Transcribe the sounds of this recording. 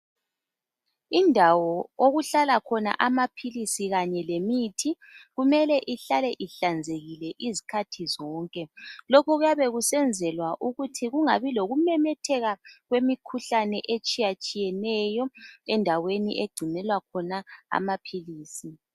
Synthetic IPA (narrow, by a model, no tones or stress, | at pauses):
indʱawɔoɣuɬalakʰɔna̰ʔamapʰilisiɣaɲɛlemitʰi | ɣumɛlɛʔiɬalɛʔiɬand͡zʱeɣilɛʔizikʰatʰizɔːŋkʼɛlokʰɔɣujaβɛɣusɛnd͡zʱɛlwaʔuɣutʰiɣuŋaβiloɣumɛmɛtʰɛɣaɣwemikʰuɬanɛʔet͡ʃʼijat͡ʃʼijɛnɛːjɔɛndʱawenḭʔeɡ͡ǀʱinɛlwakʰɔnaa̰mapʰiliːsi